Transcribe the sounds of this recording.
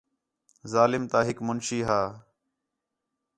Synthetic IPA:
zaːlɪmt̪aːɦɪkmʊnʃiːɦaː

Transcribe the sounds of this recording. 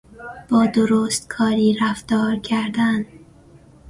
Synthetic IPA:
b̥ɒːd̪oɾoːst̪̚kʰɒːɾiːɾæft̪ɒːɾcʰæɾd̪æn

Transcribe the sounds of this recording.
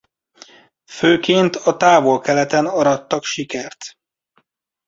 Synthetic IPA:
føːkeːnt̪ɒt̪aːvo̞lkɛlɛt̪ɛnɒɾɒt̪ːɒkʃikɛrt̪

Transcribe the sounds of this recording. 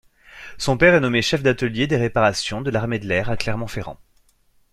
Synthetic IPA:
sɔ̃pɛʁɛnɔmeʃɛfd̪at̪əljed̪eʁepaʁasjɔ̃d̪əlaʁmed̪əlɛʁaklɛʁmɑ̃feʁɑ̰̃

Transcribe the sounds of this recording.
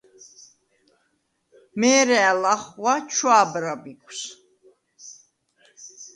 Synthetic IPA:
mɛːɾɛalaχwat͡ʃʰwaːbɾabikʰʼws

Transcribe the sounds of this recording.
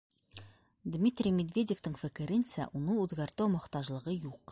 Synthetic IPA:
d̪mʲit̪rʲijmʲed̪vʲe̞dʲeft̪ɘɴfɘ̆kɘ̆ɾɘnsæ̰ʔunɤɴʉðɡæɾt̪æwmŏqt̪ɑʒlˠɤ̆ʁɤjuq

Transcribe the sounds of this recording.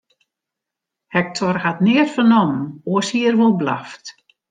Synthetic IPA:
hɛk̚tʰɔrhatnɪərfənɔmnoəshiərʋolˠbla̰ft

